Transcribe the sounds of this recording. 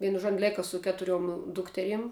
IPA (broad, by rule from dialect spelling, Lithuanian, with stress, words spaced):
ˈʋʲiɛnʊ ʒuɔ oːn ˈlʲeːkɐ sʊ ˈkʲæːtʊrʲuɔm ˈdʊktʲɛrʲiɛm